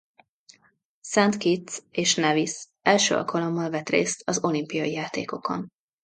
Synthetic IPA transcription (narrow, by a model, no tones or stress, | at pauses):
sɛnt̪kit̪seːʃnɛvis | ɛlʃø̰ːɒ̰lkʰɒlo̞mːɒlvɛt̪rḛːst̪ɒzo̞limpijɒjijaːt̪ḛːko̞ko̞̰n